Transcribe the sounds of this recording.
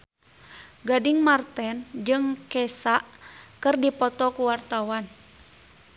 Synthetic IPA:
ɡadiŋmart̪ɛnd͡ʒɨŋkɛsaʔkɨrdipɔt̪ɔkuwart̪awan

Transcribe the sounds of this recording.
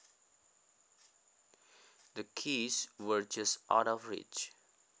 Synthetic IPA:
d̪əkʰiswəɹd͡ʒʌstʔa̰ʊɾɔvɹḭt͡ʃ

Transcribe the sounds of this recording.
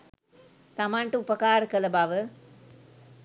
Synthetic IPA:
t̪ɐmaɳʈɨupɐkaːɾɐkɐlɐbaʋɨ

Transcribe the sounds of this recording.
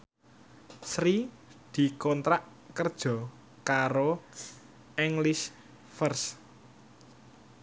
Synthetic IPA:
sɾi | d̪̥i̤kɔnt̪ɾaʔ | kərd̥ʒ̥ɔ̤ | kaɾo | ʔɛŋlɪʃ | fərs

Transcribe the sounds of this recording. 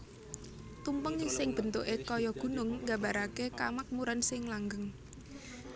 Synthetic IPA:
t̪umpəŋisɪŋb̥ə̤nt̪oʔekɔjɔɡ̥ṳnʊŋːɡa̤mba̤ɾakekamak̚muɾansɪŋlaŋɡəŋ

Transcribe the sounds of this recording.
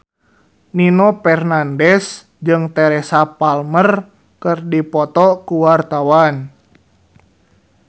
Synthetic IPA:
ninɔpɛrnandɛs | d͡ʒɨŋt̪ɛɾɛsapalmər | kɨrdipɔt̪ɔkuwart̪awan

